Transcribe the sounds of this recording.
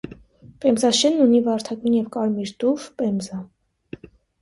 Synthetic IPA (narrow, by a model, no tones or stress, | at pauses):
pɛmzɑʃɛnːunivɑɾt̪ʰɑkunjɛvkɑɾmiɾt̪uvpɛmzɑ